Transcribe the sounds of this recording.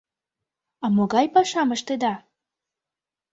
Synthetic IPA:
ɑmoɣɑjpɑʃɑməʃt̪ed̪ɑ

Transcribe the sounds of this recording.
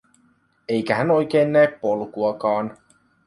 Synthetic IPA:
e̞jkæɦæno̞jk̟eːnːæeppo̞lkuɑkɑːn

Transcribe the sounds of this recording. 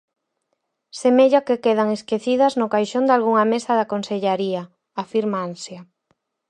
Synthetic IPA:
semeʎakekeð̞ɐŋeskeθiðɐznʊkajʃond̪alɣuŋɐmesɐðɐkonseʎaɾiɐ | afiɾmaansjɐ

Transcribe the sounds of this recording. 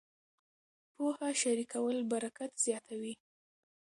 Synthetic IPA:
pohaʃaɾikawəlbaɾakat̪z̥jɑt̪ʰawi

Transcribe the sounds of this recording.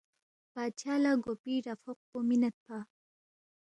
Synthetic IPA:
pat͡ʃalaɡopiɾafoq̚pominat̪̚pa

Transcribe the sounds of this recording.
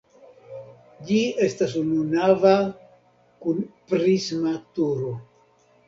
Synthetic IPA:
d͡ʒie̞stasununava | kunpɾismatuɾo̞

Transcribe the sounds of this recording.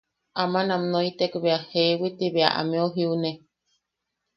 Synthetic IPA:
ʔamanamnoit̪ekβeahewit̪iβea̰ʔa̰meoɦiune

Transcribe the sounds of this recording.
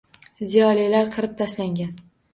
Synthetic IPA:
zijɒlilaɾqʰɨɾɪp̚t̪ʰaʃlaŋɡʲan

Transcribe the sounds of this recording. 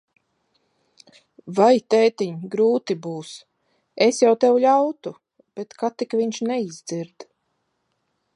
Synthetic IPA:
vajt̪ɛːt̪iɲɡɾuːt̪ibuːs | esjawt̪ɛwʎʲawt̪u | b̥et̪kat̪ikviɲʃnɛizd̪ziɾd̪̥

